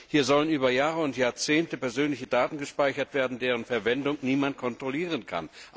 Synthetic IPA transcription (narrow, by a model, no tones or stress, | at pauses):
hiːɐzɔlənʔyːbɐjaːʁəʊntjaːɐt͡seːntəpɛɐzøːnlɪçədaːtn̩ɡəʃpaɪçɐtv̥eːɐdn̩deːʁənfɛɐvɛndʊŋniːmant̚kʰɔntʁ̥oliːʁənkʰa̰n